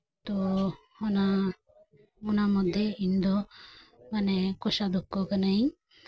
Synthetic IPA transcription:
t̪ɔ | ɔna | ɔnamɔd̪ʱjeind̪ɔ | manɛkɔsad̪ukːɔkanai

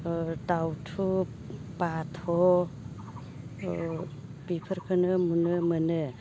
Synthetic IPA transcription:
dawtʰu | pat̪ʰɔ | pipʰəɾkʰɯnɯmunɯmənɯ

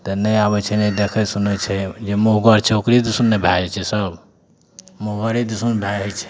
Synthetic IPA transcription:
t̪ɔnəjabɛt͡ʃʰɛnɛd̪ekʰɛsunɛt͡ʃʰɛd͡ʒemuɦɡəɾt͡ʃʰokɾid̪usunːebʱaɾɛt͡ʃʰɛsəb | moɦɡəɾid̪usunbʱaɛt͡ʃʰɛ̥

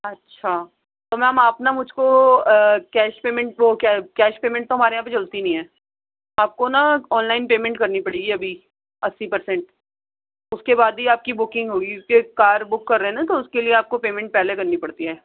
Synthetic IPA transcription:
ɐtːʃʰa | t̪omɛ̃ːɦɐmaːpnamʊd͡ʒʱko | kɛːʃpeːmɛ̃ɳʈʋokɛkɛːʃpeːmɛ̃ɳʈt̪oɦɐmaːɾejɦãːp̬et͡ʃɐlt̪inɐɦĩɦɛː | aːp̚konaɔːnlaːɪnpeːmɛ̃ɳʈkɐɾnipɐɽiːɡiɐbʱi | ɐsːipɐɾsɛ̃ɳʈ | ʊskebaːd̪ɦiaːp̚kibʊkɪ̃ŋɡɦoːɡikekaːɾbʊkːɐɾːɦẽnat̪̬oʊskelieaːp̚kopeːmɛ̃ɳʈ̚pɛːlekɐɾnipɐɽt̪iɦɛː

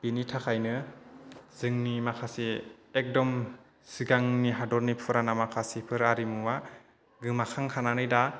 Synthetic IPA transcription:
binitʰakʰajnɯ | z̥ɯŋnimakʰasiek̚dɔm | siɡaŋniɦadɔɾnipʰɯɾanamakʰasipʰɯɾaɾimuwa | ɡɯmakʰaŋkʰananɯjda

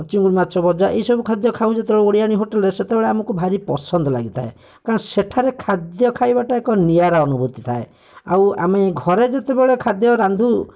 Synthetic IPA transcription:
t͡ʃiŋɡuɾimatːt͡ʃʰɔbɔɾd͡ʒaʔeisɔbukʰad̪jɔkʰaũd͡ʒet̪eɭeoɽiaɽ̃iɦoʈeleset̪ebeɭeamɔkubʱaɾipɔsɔnd̪ʱɔla̰ɡit̪ʰa̰e | kaɾɔ̃ŋseʈʰaɾekʰad̪jɔkʰajbaʈaekɔnijaɾaɔnubut̪it̪ʰae | a̰wameɡʱɔɾed͡ʒet̪ebeɭekʰad̪jɔɾand̪ʱu

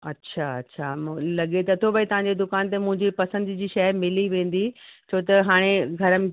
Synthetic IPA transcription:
ɐtːɕʰaɐtːɕʰalɐɠet̪ɐt̪ʰobɐit̪ɐʋãɲd͡ʑed̪ʊkaːnt̪̬emʊ̃ɦɪ̃ɲd͡ʑipɐsə̃nd̪d͡ʑiːʃɐmɪliʋẽːn̆d̪it͡ɕʰoːt̪ɐɦaːɽ̃eɡʱɐɾəm

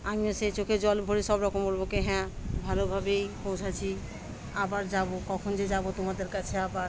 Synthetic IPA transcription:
amioset͡ʃokʰed͡ʒɔlbʱoɽisɔbɾɔkombolbokeɦɛ̃bʱalobʱabejpõw̃t͡ʃʰat͡ʃʰi | abaɾd͡ʒabokɔkʰond͡ʒed͡ʒabot̪umad̪eɾkat͡ʃʰeabaɾ

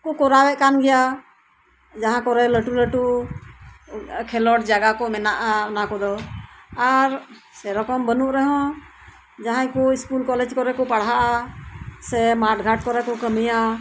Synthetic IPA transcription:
kɔkɔɾawɛʔ̚kanɡɛja | d͡ʒaɦãkɔɾɛləʈuləʈu | kʰɛlɔʈ̚d͡ʒaɡakɔmɛnaʔaɔnakɔd̪ɔaɾ | sɛɾɔkɔmbənuʔɾɛɦɔ̃ | d͡ʒaɦãjkɔiskulkɔlɛd͡ʒkɔɾɛkɔpaɽɦaʔa | sɛmaʈɡʱaʈ̚kɔɾɛkɔkəmija

